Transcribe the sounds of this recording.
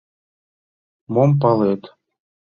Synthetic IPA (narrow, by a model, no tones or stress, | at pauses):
mompɑlet̪